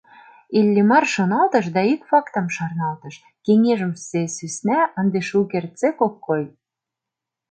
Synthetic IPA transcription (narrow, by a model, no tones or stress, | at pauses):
elʲːemɑrʃŏnɑlt̪əʃ̬d̪ɑikfɑkt̪ə̆mʃɑrnɑlt̪ə̆ʃ | keŋeʒə̆msesysnæə̆nd̪eʃukert͡sekokːoj